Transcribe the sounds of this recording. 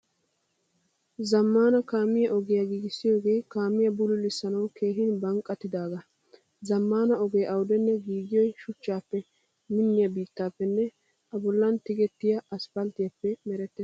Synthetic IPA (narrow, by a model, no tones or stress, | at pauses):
zɐmːaːnɐkaːmɪjɐʔɔɡɪjɐɡiːɡɪsːɪjo̞ːɡe̞ːkaːmːɪjɐbʊlʊlɪsːɐnɐwkʰe̞ːɦɪnbɐŋkʼːɐt̪ːɪd̪aːɡɐ | zɐmːaːnɐɔɡɛjʔɐwd̪ɛnːɛɡiːɡɪjɔjʃʊt͡ʃːaːpːɛ | mɪnːɪjɐbiːt̪ːaːpːɛnːɛ | ɐbɔlːɐnt̪ɪɡɛt̪ːɪjɐʔɐspɐlt̪ɪjɐpːɛmɛɾɛt̪ːɛs